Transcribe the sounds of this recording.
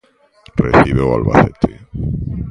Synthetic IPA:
rḛθiβewa̰lβa̰θet̪ʰe

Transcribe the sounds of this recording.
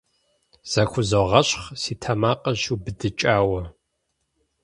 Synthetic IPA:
z̥ɐxʷʰʊzɐʁɐɕχsiːtʰɐmaːqʼɐubɨdɨt͡ʃʼaːwɐ

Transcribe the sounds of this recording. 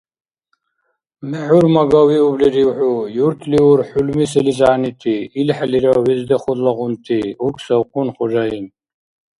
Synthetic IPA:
mɛħʊɾmaɡawiubliɾiwħʊjuɾt̪ʰliuɾħulmisɛlizaːnit̪ʰiːlħliɾawizd̪ɐχɔd̪laʁʊnt̪ʰiukʰsɐwqʰʼʊnχɔʒain

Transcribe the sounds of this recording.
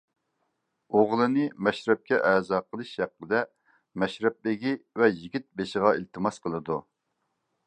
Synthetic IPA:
oʁlˠɨnɨmɛʃɾɛp̚kʲɛʔɛzɑːqəlˠɨʃhæqːəd̪ɛ | mɛʃɾɛp̚bɪɡʲivɛjiɡʲit̪̚beʃɪʁɑilt̪ʰɨmɑsqəlˠɨd̪u

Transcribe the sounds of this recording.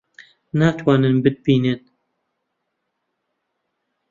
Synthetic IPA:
naːt̪ʰwɑːnɨnbɨd̪̚biːnɨn

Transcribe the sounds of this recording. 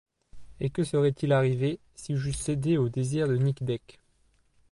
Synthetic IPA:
ekəsəʁɛt̪ʰilaʁive | siʒysed̪eod̪eziʁd̪ənikd̪ɛk

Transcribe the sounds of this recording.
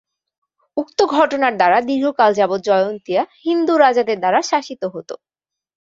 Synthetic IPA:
uk̚t̪oɡʱɔʈonaɾd̪aɾad̪iɾɦokald͡ʑabot̪̚d͡ʑɔjont̪iahind̪uɾad͡ʑad̪eɾd̪aɾaʃaʃit̪oɦot̪o

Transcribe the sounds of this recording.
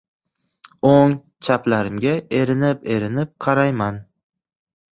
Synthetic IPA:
oŋ | t͡ʃʰaplaɾɪmɡʲaeɾɪnɪpe̞ɾɪnɪp̚qʰɑɾajman

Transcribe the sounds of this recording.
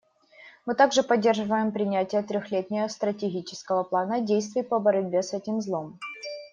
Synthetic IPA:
mɨt̪aɡʐɨpɐdʲːe̞rʐɨvəjɪmpɾʲɪnʲætʲɪjət̪ɾʲoxlʲetʲnʲɪjəst̪ɾətʲɪɡʲit͡ɕɪ̥skəvəplˠanədʲejst̪vʲɪjpəbəɾɐd̚ʲbʲesɛtʲɪmzlˠo̞m

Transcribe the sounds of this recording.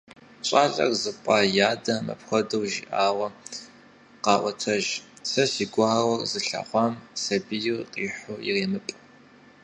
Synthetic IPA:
ɕʷʼaːɮɐ̰rzɨpʷʼaːjaːdɐmɐ̰pxʷɐdɐwʒḭʔaːwɐ | qɑːʔʷɔtʰɐʒsɐsiːɡʷʊɦawɔrzɨɬa̰χʷɑːmsɐbijɪrqʼiːħʊḭreːmɨpʼ

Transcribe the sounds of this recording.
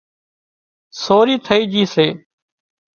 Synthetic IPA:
soːɾiːt̪ʰəiːd͡ʒiːseː

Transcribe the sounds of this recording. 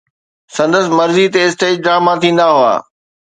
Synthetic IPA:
sɐ̃nd̪əsɪ̆mɐɾzit̪eɪsʈeːd͡ʒɖɾaːmat̪ʰĩːnd̪aɦʊa̰ː

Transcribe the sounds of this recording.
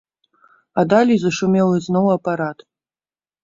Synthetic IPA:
ad̪alʲijzɐʂumʲelˠɨznowɐpaɾat̪

